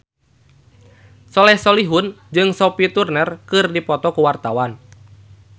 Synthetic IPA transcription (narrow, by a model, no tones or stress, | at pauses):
sɔlɛhsɔliɦund͡ʒɨŋsɔpit̪urnərkɨrdipɔt̪ɔkuwart̪awan